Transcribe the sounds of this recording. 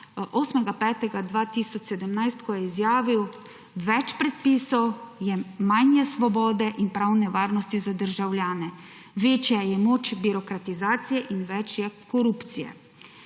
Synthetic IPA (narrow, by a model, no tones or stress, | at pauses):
ʔoːsmɛɡapɛːt̪ɛɡad̪ʋat̪isɔt͡ʃsɛd̪əmnajst̪kɔjɛizjaːʋiw | ʋɛt͡ʃpɾɛt̪̚piːsɔwjɛmajnjɛsʋɔbɔːd̪ɛʔinpɾawnɛʋaːɾnɔst̪izad̪əɾʒawljaːnɛ | ʋeːt͡ʃjajɛmoːt͡ʃbiɾɔkɾat̪izaːt̪sijɛʔinʋɛt͡ʃjɛkɔɾupt̪sijɛ̰